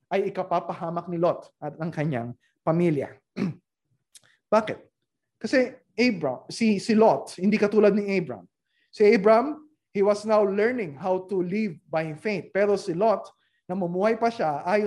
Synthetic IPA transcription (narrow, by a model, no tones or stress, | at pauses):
ʔɐjɪkɐpapɐhaːmɐk̚nɪlot̪ɐɐŋkɐɲa̰ŋ | pɐmiljɐ̰ | b̥aːkɛt̪̚ | kɐsɛʔebmsɪsɪlot̪̚hɪnd̪ikɐt̪uːlɐd̪̚nɪʔejbɹa̰m | sɪʔejbɹɐɐ̃m | hiwɐsnawlɛɹnɪ̃ŋɦawt̪ʊlivbajfeɪt̪̚pɛːɾosɪlot̪̚ | nɐmɐmuːhɐjpɐʃaʔaːj